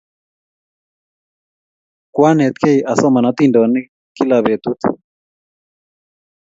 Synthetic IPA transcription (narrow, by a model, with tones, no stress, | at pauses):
kwa˦nɛ˨t̪̚kʰe˦iʔa˨sɔ˦ma˨na˦t̪i˦˨ndɔ˨ni˦ | ki˦la˨βe˨t̪u˦t̪